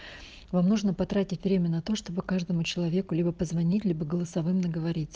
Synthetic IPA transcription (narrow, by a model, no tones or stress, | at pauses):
vamnuʐnəpɐt̪ɾatʲɪtʲvɾʲemʲənɐt̪o̞ʂt̪o̞bɨkaʐd̪əmʊt͡ɕɪlˠɐvʲe̞kʊlʲibəpəzvɐnʲitʲlʲibəɡəlˠəsɐvɨmnəɡəvɐɾʲit̪ʲs